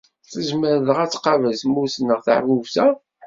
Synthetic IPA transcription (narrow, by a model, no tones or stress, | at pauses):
θəʒməɾðəʁæt͡sːqɑvəlsmusnəʁθa̰ʕvuvsæ